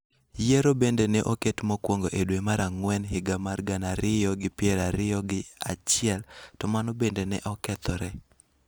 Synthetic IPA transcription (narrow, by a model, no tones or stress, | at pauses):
jeɾobendenɛʔoketmɔkwɔŋɡoʔedwemaɾaŋwɛnɦɪɡamarɡanaɾɪjɔɡɪpɪɛɾaɾɪjɔɡɪat͡ʃɪɛltɔmanɔbendenɛ̰ʔɔkɛt̪ɔɾɛ